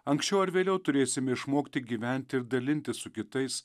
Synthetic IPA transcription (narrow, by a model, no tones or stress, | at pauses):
ɐŋksʲt͡ʃʲɛʊɐɾʋʲeːlʲɛʊt̪ʊɾʲeːsʲɪmʲɛɪʃmoːkt̪ʲɪɡʲiːʋʲɛnʲt̪ʲɪɪɾd̪ɐlʲɪnʲt̪ʲɪssʊkʲɪt̪ɐɪs